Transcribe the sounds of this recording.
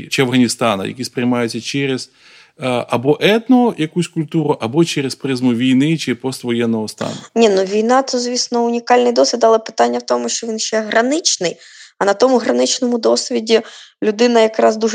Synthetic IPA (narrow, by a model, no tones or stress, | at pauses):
t͡ʃɪɐʋwɦɐnʲist̪ɑnɐ̰jɐ̰kʲispɾʲɪjmɑjʊt͡sʲːɐt͡ʃɛɾʲez̥ | ɐbɔʔɛt̪nɔɔjɐkusʲkʊlʲt̪uɾʊʔɐbɔt͡ʃɛɾespɾɪzmʊʋʲijnɪt͡ʃɪpɔst̪ʋɔjɛnːɔɦɔst̪ɑ̰nʊnʲinuʋʲijnɑt̪uzʲʋʲisnɔʊnʲikɑlʲnɪjd̪ɔsʲʋʲid̪ɑlˠɛpɪ̥t̪ɑnʲːɐwt̪ɔmʊʃt͡ʃɔʋʲinʃt͡ʃɛɦɾɐnɪt͡ʃnɪj | ɐnɐt̪ɔmʊɦɾɐnɪt͡ʃnɔmʊd̪ɔsʲʋʲidʲilʲʊd̪ɪnɐjɐkɾɑzd̪uʒ